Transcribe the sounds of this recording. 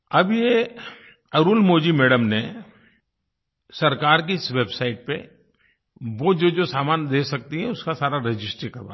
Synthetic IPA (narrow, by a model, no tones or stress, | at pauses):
ɐbje | ɐɾuːlmoːd͡ʒimɛːɖəmne | sɐɾkaːɾk̬isʋeːbsaːɪʈ̚pḛ | ʋod͡ʒoːd͡ʒoːsaːmaːnd̪eːsɐk̚t̪iɦɛ̃ʊskasaːɾaɾɪd͡ʒɪsʈɾəkɐɾʋa̰ː